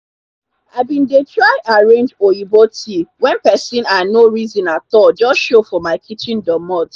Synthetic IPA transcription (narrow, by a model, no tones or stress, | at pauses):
aɪbĩndetʰɹaɪʔaɹẽnd͡ʒoibotʰiwɛ̃npɛsĩnanoɹizĩnatɔt̚d͡ʒɔsʃofɔmaɪkʰit͡ʃĩndɔmɔt